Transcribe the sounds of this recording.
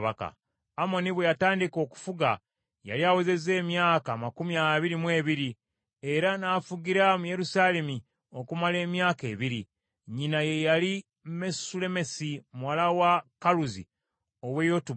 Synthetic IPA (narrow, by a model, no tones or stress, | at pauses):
βa̰ka̰ː | mo̞niβwe̞jataːndiko̞ːku̥fuɡa | ja̰liaweze̞ze̞ːmjaːkaːmakumiaβiɾimwe̞ːβiɾi | e̞ɾanaːfuɡiɾamuje̞ɾusaːle̞mi | o̞kumale̞ːmjaːke̞βiɾi | ɲinaje̞jali | mesule̞me̞simuwalawakaluzḭ | oβwe̞jo̞tu